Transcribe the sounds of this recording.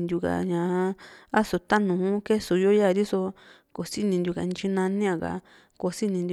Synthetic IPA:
nd̪ʲju˧ka̰˨ɲã˨˦a˦so˨t̪a˦nũ˨ũ˦ke˦su˨jo˦ja˦˨ɾi˦so˧ | ko˨si˦nĩ˧nd̪ju˧ka̰˨˧n˧t͡ʃi˧nã˧nĩ˦ã˧˨ka̰˨ | ko˧si˦nĩ˧nd̪ʲ

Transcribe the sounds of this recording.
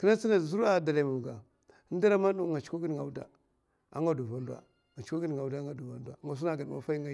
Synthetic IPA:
ki˦na˦t͡si˦na˨zu˦ɾa˨da˨la˨mu˨ɡa˨˦ | da˦ɾa˦ma˦nu˦ŋa˨t͡ʃku˦ɡi˦n˨ŋa˨u˦da̰˨ | a̰˦ŋɡa˦du˨va˦ndwa̰˨ | ŋa˨t͡ʃku˦ɡi˦n˨ŋa˨u˨˦da˦ŋɡa˦du˨va˦ndʷa˨˦ŋa˨s̬u˦na˦ɡa˨n˨a̰˦fa˦i˦ŋa˦˨

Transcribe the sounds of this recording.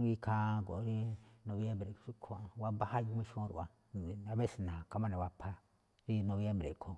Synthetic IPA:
i˦kʰa˧ɡo̰˨˦ɾi˦nõ˧βje˦mbɾe˨t͡ʃi˦kʰo˧˨wa˦ba˦ha˦˧ju˧˦mĩ˦ʃõ˦ɾṵ˨a˨ | a˨βe˦˨snã˨ka˧˦mã˦nẽ˨wa˧pʰa˧ | ɾi˦nõ˧βje˦mbɾḛ˨kʰo˨

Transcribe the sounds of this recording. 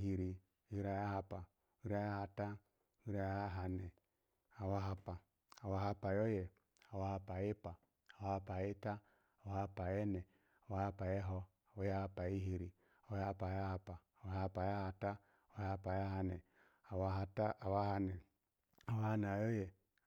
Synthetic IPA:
ɦi˨ɾi˨˦ | i˦ɾa˨ja˦ɦa˦pa˨ | u˦ɾa˦ja˦ha˨ta˦ | i˦ɾa˨ja˦ɦa˨nɛ˨ | a˨wa˦ɦa˦paː˨ | wa˦ɦa˦pa˨jo˦jɛ˨ | a˨wa˦ha˦pa˨je˦paː˨ | wa˦ha˦pa˨e˦ta˦ | a˨wa˦ha˦pa˨jɛ˦nɛ˨ | a˨wa˦ha˦pa˨jɛ˦ɦɔ˦ | a˨wɔ˦ja˦ha˦pa˨i˦ɦi˨ɾi˨a˨˦a˦˨pa˨ja˦ha˨paː˨wa˦ha˦˨pa˨ja˦ha˨ta˦˨˦ | a˦a˦pa˨ja˦ɦa˨nɛ˨ | a˨wa˦ɦa˨ta˦a˨wa˦ha˦nɛ˨ | a˨wa˦ha˦n˨a˨jo˦jɛ˨

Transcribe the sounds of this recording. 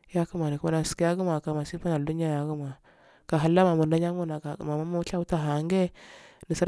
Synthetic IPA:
ja˦ku˦ma˨ni˨ka˦na˨ski˦ja˦ɡu˦ma˨ka˨ma˨si˦pa˦na˨du˦a˦ja˨ɡu˦ma˨ | ka˨ɦa˨lːa˦ma˨mu˨nda˦ɲa˦mu˦na˨a˨ma˨ma˦ma˦t͡ʃa˦u˦ta˦ɦa˨˦ŋɡe˦ni˨sa˦

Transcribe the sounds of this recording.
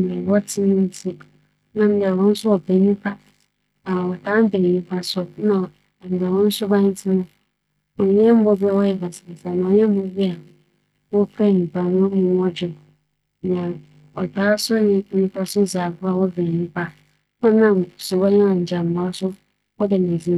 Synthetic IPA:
m˨ɛ˨wɔ˦tʰɪ˦nʊ̃˦n̩˦tʰi˦ | nã˨m̩˨ba˨wɔ̃˦n̩˦sʊ˦ɔ˨be˨˦ɲĩ˦pʰa˦ | a˨wɔ˨tʰã˦m˦be˨ɲĩ˦pʰa˦sʊ˦nã˨ | m̩˨ba˨wɔ̃˦n̩˦sʊ˦bã˦ɲɪ̃˦tʰɪ˦nʊ̃˦ | ɔ˨ɲ˦ɛ˦m˦bɔ˦bɪ˦˨wɔ˦jɛ˨ba˨sɪ˨sa˨nã˨ɲɛ̃˦m˦bɔ˦bɪ˦a˨ | wɔ˦kʰɛ˦˨ɲĩ˨pʰa˨nʊ̃˦mʊ̃˦m˦ɔ˦d͡ʑᶣɪ˨ | nã˨ | ɔ˨taː˦sʊ˦ɲɪ̃˦nĩ˦pa˦sʊ˦za˨bʊ˦a˨wɔ˦be˨ĩ˦pʰa˦ | ã˦nã˦˨m˨sʊ˨ba˦ɲɛ̃˦ɔ̃˨ɲ̩˨d͡ʑa˨m̩˨ba˨˦sʊ˦ | wɔ˦dɛ˨nẽ˨zi˦

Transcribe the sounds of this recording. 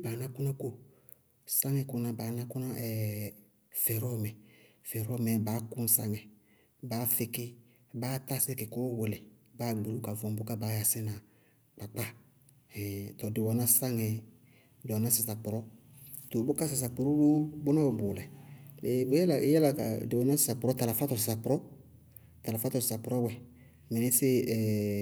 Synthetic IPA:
baː˨na˦kʊ˦na˦ko˦ | sa˦ŋɛ˦˧kʊ˨na˨ba˨na˦kʊ˦na˦ʔɛ˨ | fɛ˨ɾɔ˦˨mɛ˨fɛ˨ɾɔ˦mɛ˨baː˨˦ku˦n̩˦sa˦ŋɛ˨ | baː˨˦fɪ˧kɪ˦ | baː˨˦ta˦sɛ˦kɪ˨ko˦we˨lɛ˨baː˨˦ɡ͡be˨ɾu˦ka˨vɔ˨bʊ˦ka˦baː˨˦ja˨sɪ˦na˨ | k͡pa˨k͡pa˦ | ɛ˨tɔ˨dɪ˨wɔ˨na˦sa˦ŋɛ˨ | dɔ˨na˦sɪ˨sa˨pʊ˨ɾɔ˦to˨bʊ˦ka˦s̬a˨s̬a˨po˨ɾu˦bo˦bʊ˦nã˦wo˨bʊ˨lɛ˨le˨bɛ˦la˨˦jɛ˦la˨ka̰˨dɪ˨wɔ˨na˦sɪ˨sa˨pʊ˨ɾɔ˦ta˨la˨fa˦tɔ˨s̬ɪ˨sa˨pɾɔ˦ | ta˨la˨fa˦tɔ˨sɪ˨sa˨pʊ˨ɾɔ˦wɛ˨ | mɛ˨nɪ˦sɪ˦ɛ˨

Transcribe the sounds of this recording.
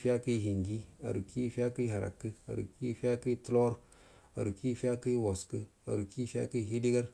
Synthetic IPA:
fi˦a˦kə˦˨ɦi˨ŋɡi˦a̰˨ɾu˨ki˦fʲa˦kə˦ɦa˨ɾa̰˨kːə˦a̰˨ɾṵ˨ki˦fi˦a˦kə˦tlo˦ɾ | a̰˨ɾu˨ki˦fa˦kə˦i˦wo˨skə˦ | a̰˨ɾu˨ki˦fi˦a̰˦kə˦˨ɦi˦di˦ɡa˦ɾ

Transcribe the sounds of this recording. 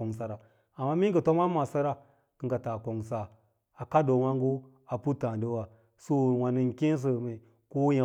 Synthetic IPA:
o˨ŋsa˨ɾa˨ | a˨mːa˦mi˦kə˨to˦ma˦ma˨sa˦ɾa˦ | kɨ˦ŋɡa˨ta˨ko˨ŋsa˨ | a˨ka˦do˨wa˦ŋɡu˦ | a˨pu˦tã˨də˦wa˨ | su˦˨wa˨ni˦ŋke˦n˦s̬ə˨mi˨ | ko˦ja˨

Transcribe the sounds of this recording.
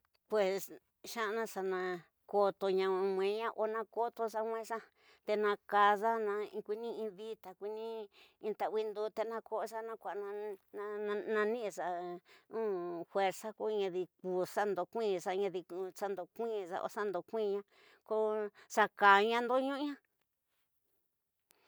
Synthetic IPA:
pwe˨s | ʃã˦˧nã˧ʂa˧nã˧ | ko˧t̪o˧ɲã˧mʷẽ˨˦ɲã˦ʔo˧nã˧ko˦t̪o˧sa˧mʷwẽ˦ʂa˦ | t̪e˧nã˧ka˧za˦nã˧ĩ˧kʷi˧nĩ˦ĩ˧βi˦t̪a˨kʷi˧nĩ˦ĩ˧t̪a˨wi˦nd̪u˧˦t̪e˧nã˧ko˦ʔʂa˦nã˧kʷa˨˧nã˧ñ˧nã˧nĩ˦˧ʂa˧ũ˦fwe˧ɾsa˦ko˦˧ɲã˧ði˧ku˨˧ʂa˦nd̪o˧kʷĩː˦˧ʂa˧ɲã˧ði˧ku˧ʂa˦nd̪o˨kʷĩː˦ʐa̰˧ʔo̰˧ʂa˦nd̪o˧˨kʷĩː˦˧ɲã˦ | ko˦ʂa˧ka˨ɲã˦nd̪o˦ɲũ˦ɲã˦

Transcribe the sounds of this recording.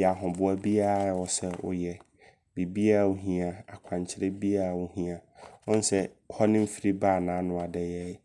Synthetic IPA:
ɛ˨a˨ɦʊ̃˨bʊ˨a˦bi˦a˦˨ɔ˨sɛ˦ʊ̰˨jɛ˨ | bi˨bi˦a˦˨wʊ˦ɦĩ˦a˨a̰˨kʷʰã˨ɲt͡ɕʰɪ˦ɾɛ˦bi˦a˦˨wʊ˦ɦĩ˦a˨ɔ̃˦n˦sɛ˦hɔ˦nɪ̃˦m̩˦fi˦ɾi˦baː˦˨nãː˨˦nʊ̃˨a˨dɛ˨jɛ˦

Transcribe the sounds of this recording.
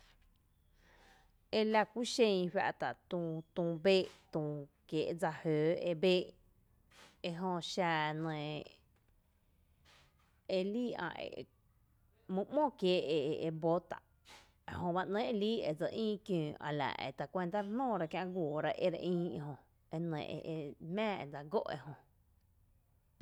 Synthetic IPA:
e˧la˧kʷi˦ʃẽ˧jɸʲja̰˧ʔt̪a˨ʔt̪ũ˧t̪ũː˧beː˦ʔt̪ũː˧kjeː˨ʔd͡za˧høː˨e˧beː˦ʔ | e˧ɦõ˧ʃa˧nə̃ː˨ | e˧liː˦ã̰˧ḛ˨ | mɨ̃˦˧mõ˦˨kjeː˨˦e˧˨e˨ʔe˧bo˦t̪a̰˨ʔ | e˧hõ˧ba˦˧ʔnẽ˦ʔe˧˨liː˦e˧˨d͡zə˧ʔĩː˦kjũː˨ʔa̰˨la̰˨ʔḛ˨t̪a˧˨kʷe˧nt̪a˦ɾhn̥õː˦˨ɾa˧kjã˧ʔɡʷoː˨ɾa˦ʔḛ˦ɾʔĩː˦ĩ˧ɦõ˧ | e˧nə̰̃˨ʔḛ˧ʔe˧mæ̃ː˦ḛ˧˨d͡za˧ɡo˦ʔḛ˧ɦõ˧

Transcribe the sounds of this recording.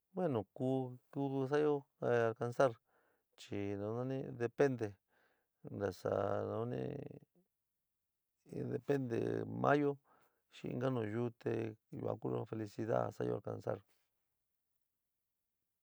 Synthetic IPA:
bwe˦nõ˨kuː˦ku˦ðu˧s̬a˦jo˦a˧lka˧nsa˦ɾ | t͡ʃi˨nã˧nã˦nĩ˦˧ðe˧pe˦nd̪e˨ | nɾa˨sa˨nã˧˦nḭ̃˦ | ðe˧pe˦nd̪ḛ˨mʔã˦jo˦ | ʃĩ˧ĩ˧ɡa˦nũ˨ju˦t̪e˧jṵ˨ã̰˨˧ku˦o˧fe˧li˧si˧ða̰˦sa˦jo̰˦˧a˨ɾka˨˧nsa˦ɾ

